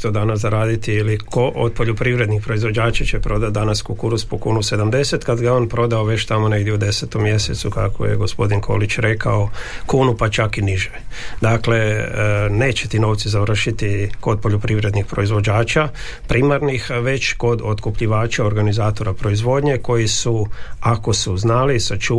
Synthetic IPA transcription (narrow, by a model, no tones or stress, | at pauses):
t̪od̪anasaɾaːd̪it̪iilikoʔod̪̚po̞ʎopɾiʋɾe̞d̪nixpɾo̞izʋo̞d͡ʒaːt͡ʃat͡ʃepɾo̞d̪at̪̚d̪anaskukuɾuspokuːnuse̞d̪amd̪e̞se̞t̪kad̪ɡaeo̞ːnpɾo̞d̪aoʋe̞t͡ʃt̪amone̞ɡdjeud̪e̞set̪omːje̞sḛt̪suka̰kʰo̰je̞̰ɡo̞spo̞d̪inkʰo̞̰lit͡ʃɾe̞kʰaokuːnupat͡ʃakiniʒed̪akle̞ | ne̞ːt͡ʃet̪ino̞ːʋt̪sizaʋr̩ʃit̪iko̞d̪̚po̞ʎopɾiʋɾe̞d̪nixpɾo̞izʋo̞d͡ʒaːt͡ʃa | pɾʔimaɾnixʋe̞t͡ʃko̞d̪ot̪kupʎiʋaːt͡ʃaoɾɡanizaːt̪o̞ɾapɾo̞izʋo̞d̪ɲe̞ko̞jisuako̞suznalisat͡ʃuː